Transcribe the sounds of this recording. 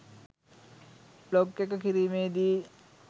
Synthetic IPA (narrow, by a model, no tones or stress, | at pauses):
blokːekəkiɾiːmeːd̪iː